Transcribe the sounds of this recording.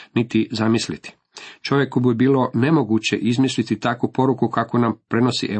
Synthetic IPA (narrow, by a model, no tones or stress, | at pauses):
nit̪izamislit̪i̥ | t͡ʃo̞ʋje̞kubiebiːlˠo̞ne̞mo̞ɡut͡ɕeʔizmislit̪it̪akupo̞ɾukukakonampɾe̞no̞sḭʔe